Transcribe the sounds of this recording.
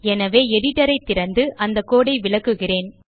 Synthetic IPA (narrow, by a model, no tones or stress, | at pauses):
ɛnɐʋeːɛɽɪʈːɐɾɐɪt̪ːɪɾɐnd̪ɯʔɐnd̪ɐkːoːɽɐɪʋɪɭɐkːɯɣɪreːn